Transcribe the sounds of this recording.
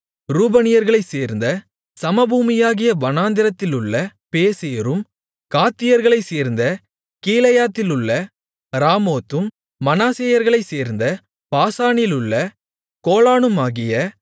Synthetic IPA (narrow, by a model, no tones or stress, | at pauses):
ɾuːbɐnɪjɐɾɣɐɭɐɪseːɾnd̪ɐ | sɐmɐbuːmɪjaːɣɪjɐʋɐnaːnd̪ɪɾɐt̪ːɪlɯɭːɐpeːseːɾɯm | kaːt̪ːɪjɐɾɣɐɭɐɪseːɾnd̪ɐ | kiːlɐjaːt̪ːɪlɯɭːɐ | ɾaːmoːt̪ːɯmː | ɐnaːseːjɐɾɣɐɭɐɪseːɾnd̪ɐ | paːsaːnɪlɯɭːɐ | koːlaːɳɯmaːɣɪjɐ